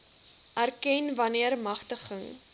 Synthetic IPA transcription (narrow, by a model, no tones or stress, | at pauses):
ʔærkɛnvɐniərmɐχtəχəŋ